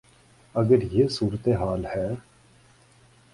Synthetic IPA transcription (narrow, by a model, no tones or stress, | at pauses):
əɡəɾjesuːɾət̪eɦaːlhɛː